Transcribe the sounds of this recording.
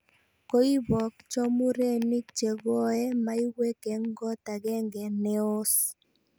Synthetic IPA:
ko˦i˦bɔ˨k̚t͡ʃɔ˦mu˦ɾe˦ni˦k̚t͡ʃe˨ɡɔ˦ɛ˦ma˦i˦we˦ke˨ŋɡɔ˦ta˨ɡɛ˦ŋɡɛ˨nɛ˦o˦s

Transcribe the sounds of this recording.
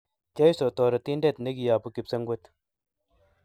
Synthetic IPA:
t͡ʃe˦jso˨t̪ɔ˨ɾɐ˨t̪i˦nde˦˨t̪ne˦ki˨ja˨pu˦ki˨psɐ˦ŋɡwo˦t̪

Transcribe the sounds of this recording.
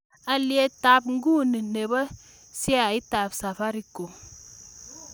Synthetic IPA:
a˨li˦e˦ta˨˦p̚ŋ̩˦ɡu˦˨ni˨ne˨ba˦ | si˦a˨i˦ta˨psa˨fa˦ɾi˦ko˨

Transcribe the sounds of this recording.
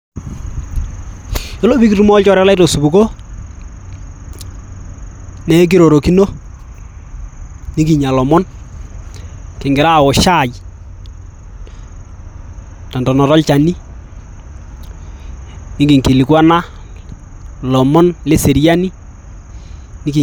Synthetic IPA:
e˦lo˦bi˦ki˦tu˦mɔ˦lt͡ʃɔ˦ɾɛ˦la˦to˨su˨bu˨ko˦ | nɛ˦k̬i˦ɾo˨ɾo˨ki˦no˦ | nɪ˦ki˨ɲa˨lɔ˨mɔ˦n | kɪ˨ŋɡɪ˨ɾa˦˨ɔ˨ʃa˦˨j | tɔ˨ndɔ˨nɔ˨ɾɔ˦lt͡ʃa˨ni˦ | nɪ˦ki˨ŋki˨li˨kwa˦na˦ | lɔ˨mɔ˦nle˦se˨ɾja˦ni˦ | nɪ˦ki˨

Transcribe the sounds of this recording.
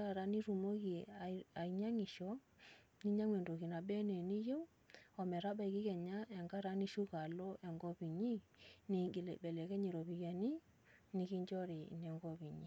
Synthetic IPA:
a˦ɾa˦ni˦ɾu˨mo˦ɣi˨a˨i˨ɲa˦ŋi˨ʃɔ˨˦ | ni˦ɲa˦ŋwɛ˨ndo˨ɣi˨na˨bɛ˦nɛ˨ni˦jo˦ | ɔ˨mɛ˨ɾa˦ɓa˦i˨ɣi˦ɣɛ˨ɲa˦ʔɛ˨ŋɡa˦ɾa˦ni˦ʃu˦ɣa˨lɔ˦ʔɛ˨ŋɡɔ˦βi˨ɲi˦ni˨lɛ˨bɛ˨lɛ˨kɛ˦ɲe˨ɾɔ˨βi˨ɣa˨ni˦ | ni˨˦ɣi˦ɲd͡ʒɔ˦ɾi˨nɛ˨ŋɡɔ˦βi˨ɲi˨

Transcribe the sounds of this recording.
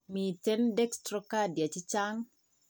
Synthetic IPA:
mi˨tɛ˦ndɛ˦kstɾɔka˦dja˨t͡ʃi˦t͡ʃaŋ

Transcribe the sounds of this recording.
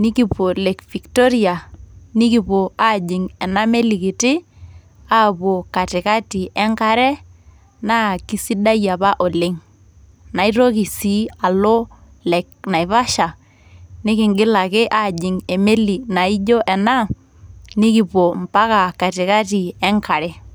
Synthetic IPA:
nɪ˦ki˨po˨lɛ˨kfi˨ktɔ˦ɾi˨a˨nɪ˦ki˨po˨a˦d͡ʒɪ˨ŋɛ˨na˦me˦li˨kɪ˨tɪ˦ | a˦po˨ka˨tɪ˨ka˦ti˨ʔɛ˦ŋka˦ɾɛ˦ | na˦ki˦si˦da˦ja˨pa˦ʔɔ˨lɪ˦ŋ | na˨i˦ɾɔ˦ki˨si˦a˨lɔ˦ | lɛ˨kna˨jβa˦ʃa˨ | nɪ˦kɪ˨ŋɡɪ˦la˨kɪ˦ʔa˦˨d͡ʒɪ˨ŋɛ˨me˦li˨na˨i˦d͡ʒɔ˦ʔɛ˨na˦ | nɪ˦ki˨pɔ˨mpa˦ka˨ka˨tɪ˨ka˦ti˨ɛ˦ŋka˨ɾɛ˦

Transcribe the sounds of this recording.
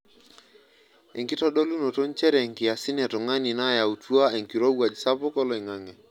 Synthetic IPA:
e˨ŋkɪ˦tɔ˦ɗo˦lu˦no˨to˦n˦t͡ʃɛ˦ɾɛ˨ŋkɪ˨a˨sɪ˦nɛ˨tɔ˨ŋa˦ni˨na˦˨ja˨u˨twa˦e˨ŋki˨ɾo˦wa˨d͡ʒsa˦pʊ˦kɔ˦lɔ˨i˨ŋa˨ŋɛ˨

